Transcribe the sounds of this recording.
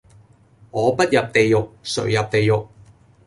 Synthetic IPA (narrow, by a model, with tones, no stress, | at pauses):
ŋɔː˨˧pɐ˥t̚jɐ˨p̚t̪e˨jjʊ˨k̚sɵ˨˩ɥjɐ˨p̚t̪e˨jjʊ˨k̚